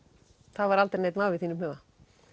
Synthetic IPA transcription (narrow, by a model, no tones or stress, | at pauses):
θavaɾalt̪ɛɾnejt̪naːwvɪθinʏmɛða